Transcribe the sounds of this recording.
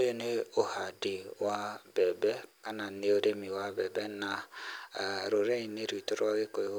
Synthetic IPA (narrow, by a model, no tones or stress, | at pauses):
ojoneohadiwab̥ɛbɛkananeoɾemiwabɛbɛna | ɾoɾeɲineɾitoɾɣeko